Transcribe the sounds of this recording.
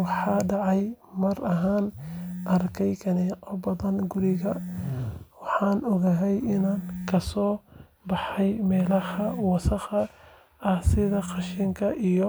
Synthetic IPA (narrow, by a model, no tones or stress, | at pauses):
wɑħɑːɖɑʕɑjmɐrɐɦaːnʔɐrkʰɛjkʰɐnɛːqɔbɐðɐnɡʊɾɪɣɐ | wɑħɑːnɔɣɐɦɛjʔɪnaːŋkʰɐsɔː | bɑħɑjmɛːlɐhɐwɑsɑqɐ | ɐhsɪðɐqɑʃiŋkʰɐʔijɔ